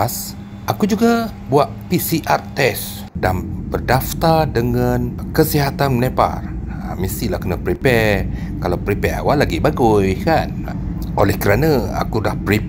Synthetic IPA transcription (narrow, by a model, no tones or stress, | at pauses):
s | ʔakud͡ʒuɡa | buaʔpisiʔart̪ɛs | danbərdaft̪ardəŋãnkəsiɦat̪annepa̰rmist̪ilahkənapɾipɛr | kalapɾipɛɾa̰walːaɡibaɡujkan | ʔolɛhkəɾanaa̰kudahpɾi